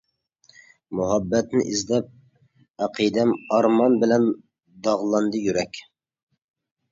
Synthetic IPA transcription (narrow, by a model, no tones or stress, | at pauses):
mʊɦɑbːɛt̪nɪʔizd̪ɛp̚ | æqʰid̪ɛmɑɾmɑnbɪlɛn | d̪ɑʁlˠɑnd̪ɨjyɾɛkʲ